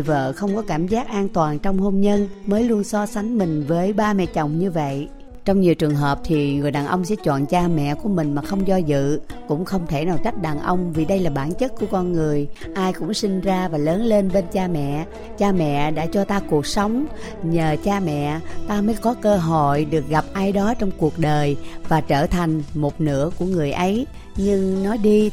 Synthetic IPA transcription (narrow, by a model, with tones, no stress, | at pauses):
və̰ː˧˨xə˧wŋ͡mkɔ˨˦kaː˧˩mzaː˦˥k̚ʔaː˧nt̪waː˨˩nt͡ɕɔ˧wŋ͡mho˧mɲə˧nməː˨˦jlu˧ənsɔ˧sa˨˦jŋ̟mï˨˩ŋ̟vəː˨˦jɓaː˧mɛ̰˧˨t͡ɕə˨˩wŋ͡mɲɨ˧və̰˧˨j | t͡ɕɔ˧wŋ͡mɲi˨˩əwt͡ɕɨ˨˩əŋɦəː˨˩p̚t̪ʰi˨˩ŋɨ˨˩əjɗaː˨˩nʔə˧wŋ͡msɛ̰˧˥t͡ɕwɔ̰ː˧˨nt͡ɕaː˧mɛ̰˧˨ku˧˩əmï˨˩ŋ̟maː˨˩xə˧wŋ͡mzɔ˧zɨ̰˧˨kʊ̰˧˥ŋ͡mxə˧wŋ͡mt̪ʰe˧˩naː˨˩ka˦˥k̚ɗaː˨˩nʔə˧wŋ͡mvi˨˩ɗə˧jlaː˨˩ɓaː˧˩nt͡ɕə˦˥t̚ku˧˩əkɔ˧nŋɨ˨˩əjʔaː˧jkʊ̰˧˥ŋ͡msi˧ŋ̟zaː˧vaː˨˩ləː˨˦nle˧nɓe˧nt͡ɕaː˧mɛ̰˧˨ | t͡ɕaː˧mɛ̰˧˨ɗa̰ː˧˥t͡ɕɔ˧t̪aː˧ku˨˩ək̚sə˨˦wŋ͡m | ɲəː˨˩t͡ɕaː˧mɛ̰˧˨t̪aː˧məː˨˦jkɔ˨˦kəː˧ɦo̰˧˨jɗɨ˨˩ək̚ɣa˨˩p̚ʔaː˧jɗɔ˨˦t͡ɕɔ˧wŋ͡mku˨˩ək̚ɗəː˨˩jvaː˨˩t͡ɕəː˧˩t̪ʰa˨˩jŋ̟mo˨˩t̚nɨ̰˧˥əku˧˩əŋɨ˨˩əjʔə˨˦j | ɲɨ˧ŋnɔ˨˦jɗi˧